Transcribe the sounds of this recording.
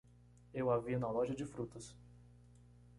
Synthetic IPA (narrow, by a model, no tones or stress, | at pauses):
ewavinɐlɔʒɐd͡ʒɪfɾut̪ɐs